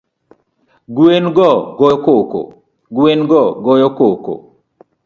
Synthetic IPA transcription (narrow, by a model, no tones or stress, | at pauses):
ɡwenɡɔɡɔkoko̰ | ɡwenɡɔɡɔjɔkoko̰